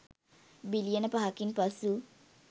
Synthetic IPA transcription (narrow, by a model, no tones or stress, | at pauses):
bilijənəpaɦakinpasu